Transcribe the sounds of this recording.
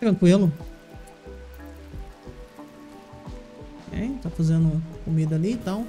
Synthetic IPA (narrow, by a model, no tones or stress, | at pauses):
t̪ɾɐ̃ŋkwilʊ | ɛ̰t̪afazẽnd̪ʊkomid̪ɐaliːt̪ãw̃